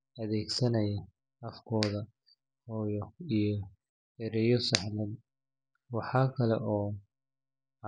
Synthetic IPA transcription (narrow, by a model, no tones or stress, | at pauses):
ɐðɛːɡsɐnɐjɐ | ɐfkʰɔːðɐ | hɔːjɔijɔ | ɛɾɛjɔsɑħlɛd̪ | wɑħɑːkʰɐlɛ̰ʔɔː